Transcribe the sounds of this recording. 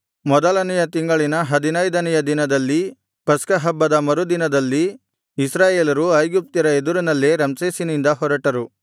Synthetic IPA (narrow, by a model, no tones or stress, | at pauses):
mɔd̪ɐlɐnɛjɐt̪iŋɡɐɭinɐɦɐd̪inɐjd̪ɐnɛjɐd̪inɐd̪ɐlːi | pɐskɐɦɐbːɐd̪ɐmɐɾud̪inɐd̪ɐlːiː | sɾaːjeːlɐɾuɐjɡup̚t̪iɾɐed̪uɾunɐlːeɾɐmseːsinind̪ɐɦɔɾɐʈɐɾu